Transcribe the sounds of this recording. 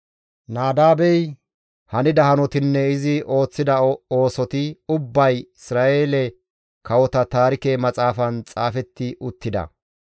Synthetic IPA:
naːd̪aːbɛj | hɐnɪd̪ɐhɐnɔt̪ɪnːɛɪzɪo̞ːt͡sːɪd̪ɐo̞ːsɔt̪ɪʊbːɐjɪsɾaːʔe̞ːlɛ | kɐwɔt̪ɐt̪aːɾɪkeːmɐt͡sʼaːfɐnt͡sʼaːfɛt̪ːɪʔʊt̪ːɪd̪ɐ̰

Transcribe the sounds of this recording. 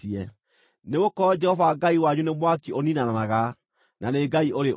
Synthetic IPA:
iɛ | neɣokɔɔd͡ʒɛhɔvaɡaiwaɲunemwakioninananaɣa | nʔaneɡaiʔoɾe

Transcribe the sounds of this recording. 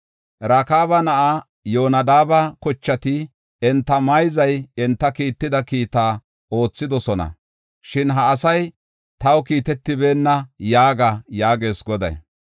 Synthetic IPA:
ɾaːkaːbɐnɐʔa | jo̞ːnɐd̪aːbɐkɔt͡ʃːɐt̪ɪ | ɛnt̪ːɐmɐjzɐjɛnt̪ːɐkiːt̪ːɪd̪ɐkiːt̪aː | o̞ːt͡sːɪd̪ɔsɔnɐ̰ | ʃɪnɦɐːsɐj | t̪ɐwkiːt̪ɛt̪ːɪbe̞ːnːɐjaːɡɐjaːɡe̞ːsɡɔd̪ɐ̰j

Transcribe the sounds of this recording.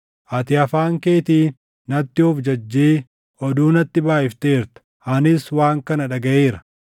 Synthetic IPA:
ʔɐt̪ɪɐfaːŋkeːt̪iː | nɐt̪ːɪʊfd͡ʒɐd͡ʒːeː | ɔd̪uːnɐt̪ːɪbaːʔɪft̪eːɾt̪ɐ̥ | ɐnɪswaːŋkɐnɐᶑɐɡɐʔeːɾɐ

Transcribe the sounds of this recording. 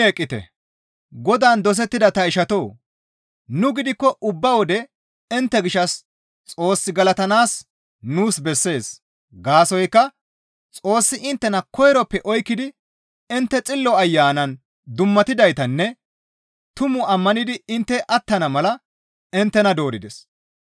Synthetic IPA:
eːkʼːɪt̪ɛ̰ | ɡɔd̪aːnd̪ɔs̬ɛt̪ːɪd̪ɐt̪ɐɪʃɐt̪o̞ː | nʊɡɪd̪ɪkːɔʔʊbːɐwɔd̪ɛ | ɪnt̪ːɛɡɪʃːɐs | t͡sʼo̞ːsːɪɡɐlɐt̪ɐnaːs | nuːsbɛsːe̞ːs | ɡaːsɔjkːɐ | t͡sʼo̞ːsːɪʔɪnt̪ːɛnɐkɔjɾɔpːɛʔɔjkːɪd̪ɪ | ɪnt̪ːɛt͡sʼɪlːɔɐjːaːnɐn | d̪ʊmːɐt̪ɪd̪ɐjt̪ɐnːɛ | t̪ʊmʊɐmːɐnɪd̪ɪɪnt̪ːɛʔɐt̪ːɐnɐmɐlɐ | ɪnt̪ːɛnɐd̪o̞ːɾɪd̪ɛs

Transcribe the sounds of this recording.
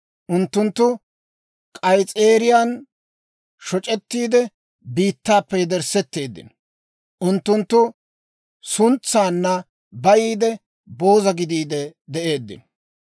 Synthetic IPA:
ʔʊnt̪ːʊnt̪ːʊ | kʼɐjt͡sʼeːɾɪjaːn | ʃɔt͡ʃʼɛt̪ːiːd̪ɛ | biːt̪ːaːpːɛjd̪ɛɾsɛt̪ːe̞ːd̪ːɪ̰n | ʔʊnt̪ːʊnt̪ːʊ | sʊnt͡sːaːnːɐ | bɐjiːd̪ɛ | bo̞ːzɐɡɪd̪iːd̪ɛd̪ɛʔe̞ːd̪ːɪ̰n

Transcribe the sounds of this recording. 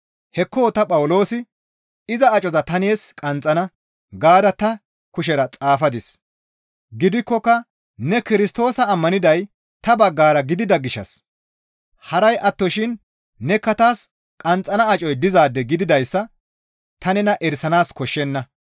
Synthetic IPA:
hɛkːoːt̪ɐpʼɐwʊlo̞ːsɪ | ɪzɐːt͡ʃʼɔzɐt̪ɐneːskʼɐnt͡sʼːɐnɐ | ɡaːd̪ɐt̪ɐ | kʊʃ̬ɛɾɐt͡sʼaːfɐd̪ɪs | ɡɪd̪ɪkːɔkːɐ | nɛkɪɾɪst̪o̞ːsɐːmːɐnɪd̪ɐj | t̪ɐbɐɡːaːɾɐɡɪd̪ɪd̪ɐɡɪʃːɐ̰s | hɐɾɐjʔɐt̪ːɔʃɪnː | ɛkːɐt̪aːs | kʼɐnt͡sʼːɐnɐːt͡ʃʼɔjd̪ɪzaːd̪ːɛɡɪd̪ɪd̪ɐjsːɐ | t̪ɐnɛnɐʔɛɾsɐnaːskɔʃːɛnːɐ

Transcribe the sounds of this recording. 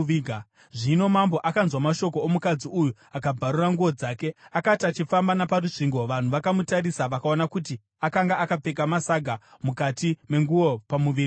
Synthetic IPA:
iɡa | ʐino̞mambo̞ʔakanzwamaʃo̞ko̞ːmukad͡ziuju | akabʱaɾuraŋɡuo̞d͡zaːke̞akatiat͡ʃifambanaparuʐiŋɡo̞ʋan̤uʋakamutaɾisaʋakao̞nakuti | akaŋɡaakap͡fe̞k̬amasaɡʱamukatime̞ŋɡuo̞pamuʋiːri

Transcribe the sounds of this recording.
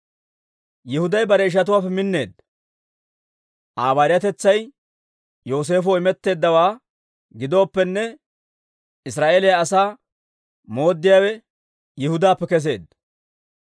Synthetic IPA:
jɪhʊd̪ɐjbɐɾɛɪʃ̬ɐt̪̬ʊwaːpːɛmɪnːe̞ːd̪ | ʔaːbaːɾɪjɐt̪ɛt͡sːɐj | jo̞ːs̬e̞ːfɔɪmɛt̪ːe̞ːd̪ːɐwaː | ɡɪd̪o̞ːpːɛnːɛ | ɪsɾaːʔeːlɛjaːsaː | mo̞ːd̪ːɪjaːwɛ | jɪhʊd̪aːpːɛkɛs̬e̞ːd̪

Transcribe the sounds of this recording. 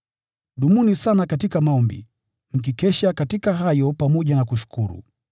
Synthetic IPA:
ɗumunisanakatikamaɔmbḭ | ŋ̩k̬ikɛʃakatikaɦajɔpamɔʄanakuʃu̥kʰuɾṵ

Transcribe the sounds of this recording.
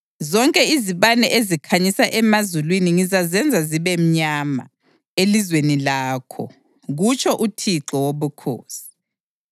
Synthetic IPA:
zɔŋkʼɛiziβanɛʔezikʰaɲisaʔɛmazulwiniŋizazɛnd͡zʱaziβɛm̩ɲama̰ | elizwenilaːkʰɔ̰ | ɣut͡ʃʰʼɔʔutʰiǁɔwoβukʰo̰ːsi̥

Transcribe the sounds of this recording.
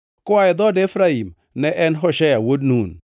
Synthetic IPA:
kɔaɛd̪ɔdefɾaim | nɛʔɛnɦɔʃajawodnun

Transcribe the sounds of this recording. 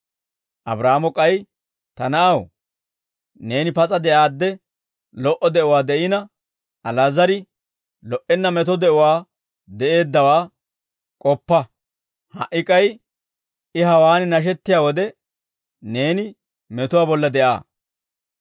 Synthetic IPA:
ʔɐ̰bɾaːmɔkʼɐj | t̪ɐnɐʔɐw | ne̞ːnɪpɐt͡sʼɐd̪ɛʔaːd̪ːɛ | lɔʔɔd̪ɛʔʊwaːd̪ɛʔɪnɐ | ʔɐlaːzɐɾɪ | lɔʔɛnːɐmɛt̪ɔd̪ɛʔʊwaː | d̪ɛʔe̞ːd̪ːɐwaː | kʼɔpːɐ | hɐ̰ʔɪkʼɐj | ɪɦɐwaːnɪnɐʃ̬ɛt̪ːɪjaːwɔd̪ɛ | ne̞ːnɪ | mɛt̪ʊwaːbɔlːɐd̪ɛʔa̰ː

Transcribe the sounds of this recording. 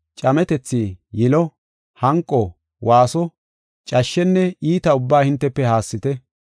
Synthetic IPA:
t͡ʃʼɐmɛt̪ɛt͡sːiːjɪlɔ | hɐŋkʼːɔ | waːsɔ | t͡ʃʼɐʃːɛnːɛiːt̪ɐʊbːaːhɪnt̪ːɛpːɛhaːsːɪt̪ɛ

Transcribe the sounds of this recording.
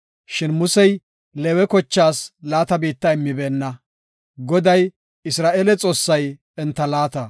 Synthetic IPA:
ʃɪnmʊsɛj | lɛwɛkɔt͡ʃːaːslaːt̪ɐbiːt̪ːɐɪmːɪbeːnːɐ | ɡɔd̪ɐj | ɪsɾaːʔelɛt͡sʼo̞ːsːɐj | ɛnt̪ːɐlaːt̪ɐ

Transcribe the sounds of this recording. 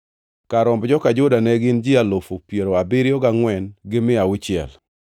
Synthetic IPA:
kaɾɔmbd͡ʒɔkad͡ʒʊdanɛɡɪnd͡ʒɪalofopjeɾoabɪɾjɔɡaŋwɛnɡɪmɪawɪt͡ʃɪɛ̰l

